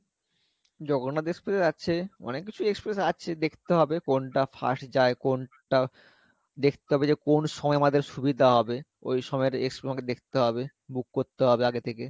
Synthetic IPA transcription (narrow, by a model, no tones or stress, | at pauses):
d͡ʑoɡonːad̪ekspɾeeɾaːt͡ɕʰeɔ̰nekːit͡ɕʰuekspɾesat͡ɕʰed̪ekʰt̪eɦɔbekonʈafa̰ʃd͡ʑaekon | ʈa | d̪ekʰt̪eɦɔbed͡ʑekonʃɔmɔeamad̪eɾʃubid̪ʱaɦɔbe | o̰jʃɔmɔeɾḛkspɾesamaked̪ekʰt̪eɦɔbe | muk̚koɾt̪eɦɔbeaɡet̪ʰeke